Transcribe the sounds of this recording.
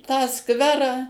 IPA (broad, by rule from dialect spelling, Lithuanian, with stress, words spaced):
tɑː ˈskʋʲæːrɑː